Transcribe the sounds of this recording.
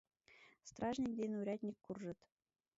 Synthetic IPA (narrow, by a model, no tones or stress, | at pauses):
st̪rɑʐnʲik̚d̪ʲenʲuɾʲɑt̪ʲnʲikʲkːurʐɤ̆t̪ʲ